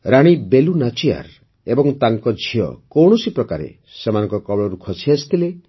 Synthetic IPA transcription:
ɾaɽ̃ibelunat͡ʃia̰ɾ | ebɔŋt̪aŋkɔd͡ʒʱiɔ̰kɔwɽ̃ɔsipɾɔkaɾḛ | semanɔŋkɔkɔbɭɔɾukʰɔt͡ʃʰiasʰi̥t̪ʰile

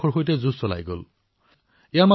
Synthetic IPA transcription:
ɔɹɦojt̬ɛzussɔla̰jɡo̰l | ɛjama

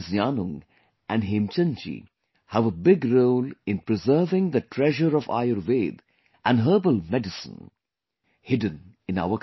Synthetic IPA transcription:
zjaːnʊ̃ŋ | ʔæ̃nɦẽːmt͡ʃə̃nt͡ʃḭ | hæʋəbɪɡɾoːlɪ̃npɾɪzəːvɪ̃ŋd̪əʈʰɾɛʒəɾɔʋa̰ɪəɾʋeːd̪ | ʔæ̃nɦəːbəlmɛɖɪsə̰̃n | hɪɖə̃n | ɪ̃na̰ʊə

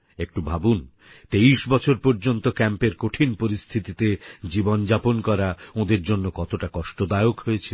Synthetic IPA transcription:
ek̚ʈubʱabun | t̪eiʃbɔt͡ɕʰoɾpoɾd͡ʑont̪okɛmpeɾkoʈʰinpoɾist̪ʰit̪it̪ed͡ʑibond͡ʑaponkɔɾaõd̪eɾd͡ʑonːokɔt̪oʈakɔʃʈod̪aeokɦoet͡ɕʰe

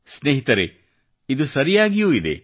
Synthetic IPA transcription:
sneːɦit̪ɐɾe | id̪usɐɾijaːɡijuːid̪e̞̰

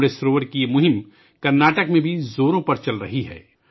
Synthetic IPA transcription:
ɾesɾoːʋəɾkijemʊɦɪm | kɐɾnaːʈəkmẽbʱizoːɾõpɐɾt͡ʃɐlɾɐɦiɦɛ̰ː

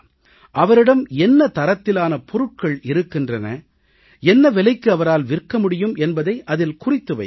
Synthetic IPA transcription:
ʔɐʋɐɾɪɽɐmɛnːɐt̪ɐɾɐt̪ːɪlaːnɐpɔɾɯʈ̚kɐɭɪɾɯkːɪndrɐnɐ̰ | ɛnːɐʋɛlɐɪkːɯɐʋɐɾaːlʋɪrkːɐmʊɽɪjɯmʔɛnbɐðɐɪʔɐðɪlkʊrɪt̪ːɯʋɐ̰ɪ

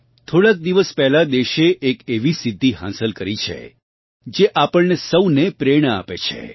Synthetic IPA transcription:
t̪ʰoɽak̚d̪iʋəspɛɦlad̪eʃeʔekeʋisɪd̪ʱːiɦã̰səlkəɾit͡ʃʰḛ | d͡ʒeʔapəɭnesəwnepɾeɽ̃əa̰pet͡ʃʰḛ

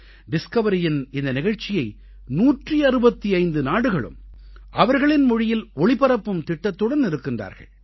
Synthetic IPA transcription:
ɖɪskɐʋɐɾɪjɪnɪnd̪ɐnɪɣɐɻt͡ʃːɪjɐɪ | nuːʈriɐɾɯbɐt̪ːiɐɪnd̪ɯnaːɽɯɣɐɭɯ̰mʔɐʋɐɾɣɐɭɪnmʊɻɪjɪlɔɭɪpɐɾɐpːɯmt̪ɪʈːɐt̪ːɯɽɐnɪɾɯkːɪndra̰ːɾɣɐ̰ɭ

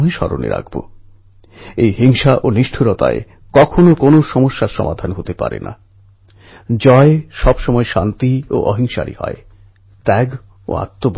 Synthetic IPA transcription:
eʃɔɾonḛɾa̰ɡbo | ejɦiŋʃaʔoniʃʈʰuɾɔt̪a̰e | kɔkʰonokonoʃɔmoʃːaɾʃɔ̰mʔad̪ʱanɦot̪epaɾḛnʔa | d͡ʑɔeʃɔbʃɔmɔeʃant̪io̰ʔɔɦiŋʃaɾḭhɔ̰e | t̪ɛɡ | o̰a̰t̪ːob

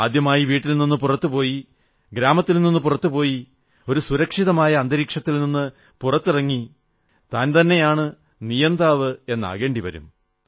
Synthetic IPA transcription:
aːd̪jɐmaːjiʋiːʈːilninːupurɐt̪ːupo̞ːji | ɡɾaːmɐt̪ːilninːɨpurɐt̪ːupo̞ːji | o̞ɾusuɾɐkʂiðɐmaːjɐːnd̪ɐɾiːkʂɐt̪ːilninːɨ | purɐt̪ːɨrɐŋːi | t̪aːnt̪ɐnːe̞jaːɳɨ | nijɐnd̪aːʋɨe̞nːɐ̰ɣe̞ːɳɖiʋɐ̰ɾṵm

